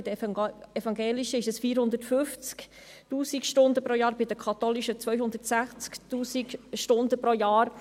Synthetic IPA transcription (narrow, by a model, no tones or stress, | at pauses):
ɪd̪əɛfɑŋɡeːliʃəɪʃɛsfiːɾhʊnd̪ətfʏft͡sk | tuːsikʃtʊnd̪əpɾojɑːɾbɪd̪əkʰɑt̪oliʃət͡sʋœʏɦʊnd̥̪ətsæχt͡skt̪uːsikʃtʊnd̪əpɾojɑːɾ